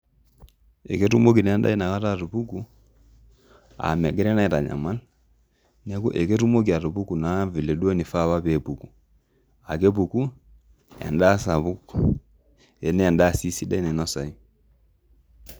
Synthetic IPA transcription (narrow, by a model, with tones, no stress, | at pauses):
e˨ke˦tu˦mo˦k̬i˨na˨a˦nda̰˦i˦na˨ka˦ta˦˨ɾu˨βu˦ku˨ | a̰˨mɛ˨ɡɛ˦ɾɛ˦na˦i˨ta̰˨ɲa̰˨ma˦l | nɛ˦ku˦ʔe˨ke˦ɾu˦mo˦k̬i˨a˨ɾu˨bu˦ku˨na˨˦vi˨le˨dwɛ˦ni˨fa˦˨βa˦βe˨bu˨ku˨ | a˨ke˦bu˨ku˦ | a̰˨nda˦sa˨βu˦k | ɛ˨nɛ˦a˨nda˦˨si˦si˦da˦i˦nɛ˨nɔ˦sa˨i˦